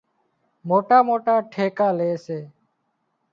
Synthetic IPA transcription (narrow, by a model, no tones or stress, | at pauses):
moːʈaːmoːʈaːʈʰeːkaːleːseː